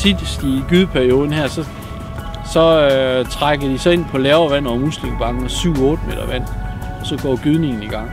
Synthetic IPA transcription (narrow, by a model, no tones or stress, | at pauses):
sʰid̥sd̥iɡ̥yðˠpʰæɐio̝ːðˠn̩ɦæɐsɒ̽ | sɒ̽t͡sʰʁɑɡ̥ɐd̥isɒ̽e̝n̰pʰɒ̽lɛːʊɐʋæn̰ɒmuslemb̥ɑ̈ŋɡ̥n̩ɒ̽syʊ̰ɔːd̥əme̝̰ːdɐʋæn̰ | ɒ̽sɒ̽ɡ̥ɒ̰ːɡ̥yð̞ˠne̝ŋn̩iɡ̥ɑ̈ŋ̰